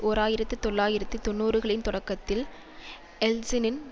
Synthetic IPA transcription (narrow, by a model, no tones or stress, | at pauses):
ʔoːɾaːjɪɾɐt̪ːɯt̪ɔɭːaːjɪɾɐt̪ːɯt̪ɔnːuːɾɯɣɐɭɪnt̪ɔɽɐkːɐt̪ːɪl | ɛlsɪnɪn